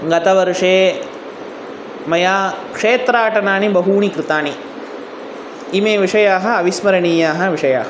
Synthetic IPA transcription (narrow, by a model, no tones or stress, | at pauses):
ɡɐt̪ɐʋɐɾuʂeː | mɐjaːkʂeːt̪ɾaːʈɐnaːnibɐɦuːɳikɾɪt̪aːni | imeːʋiʂɐjaːɦɐ̆ɐʋismɐɾɐɳiːjaːɦɐʋiʂɐja̰ːɦɐ